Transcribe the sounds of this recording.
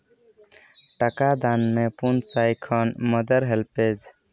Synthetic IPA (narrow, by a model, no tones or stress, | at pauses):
ʈəkad̪anmepunsajkʰʌnmʌd̪əɾɦelped͡ʒ